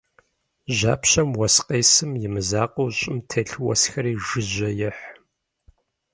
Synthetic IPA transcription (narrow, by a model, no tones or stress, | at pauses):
ʑa̰ːpʰɕɐmwɐsqʼeːsɨmjɪmɨzaːqʼowɕʼɪmtʰeːɬwɐ̰sxɐɾiːʒɨʒɐjɪħ